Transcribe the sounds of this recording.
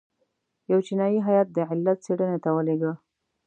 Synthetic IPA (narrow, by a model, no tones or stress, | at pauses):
jawt͡ʃinɑjiɦajɑt̪̚d̪əʕɪlːat̪̚t͡seɽənet̪awəleɡə